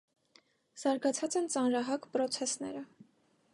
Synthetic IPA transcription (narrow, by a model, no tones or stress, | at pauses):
z̥ɑɾɡɑt͡sʰɑt͡sɛnt͡sɑnɾɑɦɑkpɾɔt͡sʰɛsnɛ̰ɾə